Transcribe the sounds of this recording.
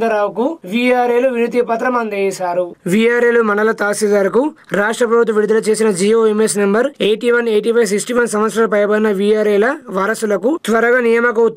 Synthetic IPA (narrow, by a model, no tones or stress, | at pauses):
d̪ɐɾaːwkuʋiːjaːɾeːluʋiɾit̪ipɐt̪ɾɐmɐnd̪ɐɛːʃaːɾuʋijaːɾeːlumɐɳɐlɐt̪aːsid̪ɐɾɐku | ɾaːʂʈɾɐpɾɐbʱut̪ʋɐʋiɽud̪ɐlɐt͡ʃe̞ːsinɐd͡ʒiːoːemesnembɐɾejʈiʋɐneːʈipʰɐjs̬iksʈiʋɐnsɐmʋɐt̪sɾɐlɐpɐjɐpɐɾinɐʋijaːɾeːlɐʋɐɾɐsulɐkut̪ʋɐɾɐɡɐnijɐmɐk̬u